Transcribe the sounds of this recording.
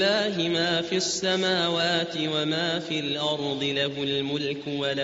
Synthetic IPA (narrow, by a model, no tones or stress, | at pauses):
laːɦɪmaːfiʔasːamaːwaːt̪ɪwamaːfilʔɑɾˤd̪ˤɨlaɦʊlmʊlkʊwala